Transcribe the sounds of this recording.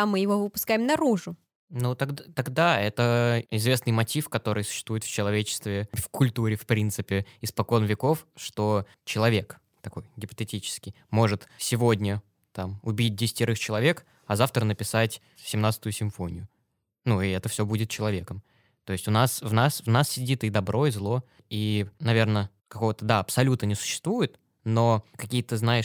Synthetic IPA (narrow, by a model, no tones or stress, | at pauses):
amːɨjɪvovɨpʊ̥skajɪmnɐɾuʐʊ | nut̪ɐɡdt̪ɐɡd̪aɛt̪əɪzvʲe̞snɨjmɐtʲifkɐt̪o̞ɾɨjsʊ̥ɕːɪ̥st̪vujɪt̪ft͡ɕɪlˠɐvʲet͡ɕɪ̥st̪vʲɪfkʊlʲt̪uɾʲɪfpɾʲint̪sɨpʲɪɪspɐko̞nvʲɪko̞fʂt̪o̞ | t͡ɕɪlˠɐvʲe̞k | t̪ɐko̞jɡʲɪpə̥t̪ɨtʲit͡ɕɪ̥skʲɪj | mo̞ʐɨt̪sʲɪvo̞dʲnʲə | t̪amʊbʲit̚ʲdʲɪsʲɪ̥tʲɪɾɨxt͡ɕɪlˠɐvʲe̞k | ɐzaft̪ɾənəpʲɪsatʲ | sʲɪmnat̪sə̥t̪ʊjʊsʲɪɱfo̞nʲɪjʊ | nuɪɛt̪əfsʲo̞budʲɪt̪̚t͡ɕɪlˠɐvʲe̞kəm | t̪o̞ɪsʲtʲʊnasvnasvnassʲɪdʲit̪ɪd̪ɐbɾʔo̞izlˠo̞ | inɐvʲe̞rnə | kɐko̞vət̪əd̪aɐpsɐlʲut̪ənʲɪsʊ̥ɕːɪ̥st̪vujɪt̪ | no̞kɐkʲijət̪ɨznajɪʂ